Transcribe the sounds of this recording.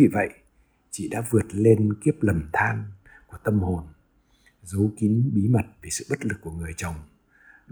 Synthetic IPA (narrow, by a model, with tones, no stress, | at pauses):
i˨˩və̰˧˨j | t͡ɕḭ˧˨ɗa̰ː˧˥vɨ˨˩ət̚le˧nki˦˥əp̚lə˨˩mt̪ʰaː˧nku˧˩ət̪ə˧mho˨˩n | zə˨˦wki˨˦nɓi˨˦ma˨˩t̚ve˨˩sɨ̰˧˨ɓə˦˥t̚lɨ˨˩k̚ːu˧˩əŋɨ˨˩əjt͡ɕə˨˩wŋ͡m